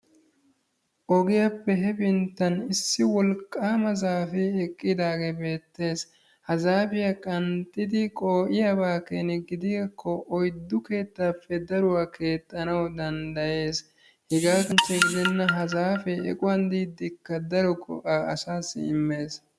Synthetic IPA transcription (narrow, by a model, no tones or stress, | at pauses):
ʔɔɡɪjɐpːɛɦɛbɪnt̪ːɐnɪsːɪwɔlkʼːaːmɐzaːfɛɛkʼːɪd̪aːɡebe̞ːt̪ːe̞ːs | hɐzaːfɪjɐkʼɐnt̪ʼːɪd̪ɪkʼoːʔɪjabaːkenɛɡɪd̪ɪɡkʰːɔʔɔjd̪ːʊke̞ːt̪ːaːpːɛd̪ɐɾʊwaːkʰe̞ːt̪ʼːɐnɐwd̪ɐnd̪ɐje̞ːs | hɪɡaːkɐnt͡ʃːɛɡɪd̪ɪnːɐɦɐzaːfɛɛ̰kʼʊwɐnd̪iːd̪ːɪkːɐd̪ɐɾɔɡʼɔ̰ʔaːɐsaːsːɪ̰ɪmːe̞ːs